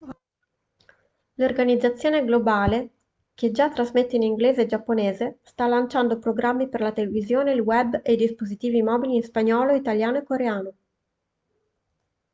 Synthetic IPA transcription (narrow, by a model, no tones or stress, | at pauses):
lorɡanid̪zːat̪sːjoːneɡlobaːle | k̟ed͡ʒat̪ːɾazmet̪ːeiniŋɡleːzed͡ʒapːoneːzest̪alːant͡ʃand̪opɾoɡɾamːiperlat̪elevizjoːneilwɛbːejd̪ispozit̪iːvimɔːbiliːnspaɲɔːloit̪aljaːnoekːoɾeaːno